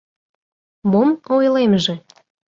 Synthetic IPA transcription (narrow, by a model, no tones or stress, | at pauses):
momojlemʒĕ